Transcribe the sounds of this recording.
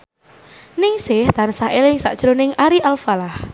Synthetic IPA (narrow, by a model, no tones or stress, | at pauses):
nɪŋsɪht̪ansaɦelɪŋsa̰ʔd̥ʒ̥ɾonɪŋaɾiʔalfalah